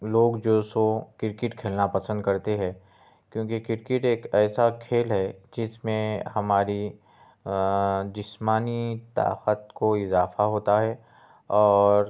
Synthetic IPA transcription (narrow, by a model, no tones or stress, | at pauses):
loːɡd͡ʒoːsokɪɾkɪʈkʰeːlnapɐsə̃nd̪̚kɐɾt̪eɦɛ̃ː | kjõːkekɪɾkɪʈeːkɛːsakʰeːlɦɛd͡ʒɪsmẽhɐmaːɾi | d͡ʒɪsmaːnit̪a̰ːqət̪koɪzaːfaɦoːt̪aɦɛ | ɔːɾ